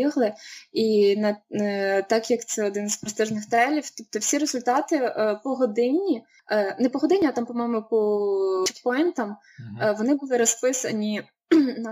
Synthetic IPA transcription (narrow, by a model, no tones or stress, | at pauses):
iɦlˠɪinɐ | t̪ɑkjɐkt̪sɛɔd̪ɪnzpɾɔst̪ɪʒnɪxt̪ɾɛlʲiwt̪ʲip̚t̪ɔwsʲiɾezʊlʲt̪ɑt̪ɪpɔɦɔd̪ɪnʲi | nɛpɔɦɔd̪ɪnʲiat̪ɑmpɔmɔjmʊpɔt͡ʃɛ̥pɔjnt̪ɐm | ʋɔnɪbulˠɪɾɔspɪsɐ̰nʲi | nɐ